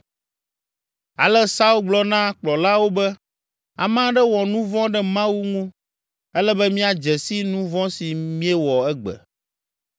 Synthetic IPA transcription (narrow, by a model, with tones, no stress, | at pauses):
a̰˨lɛ˦sa˦u˦lɡ͡blɔ˦nã˦k͡plɔ˨la˦wo˦bɛ˦ | a̰˨mã˦ɖɛ˦wɔ˨nũ˦vɔ̃˦ɖɛ˦mã˦wu˦ŋũ˦ | ɛ˦lɛ˦bɛ˦mĩ˦a˨d͡ʒɛ˨si˦nũ˦vɔ̃˦si˨mĩ˦ɛ˦wɔ˨ɛ˦ɡ͡bɛ̰˨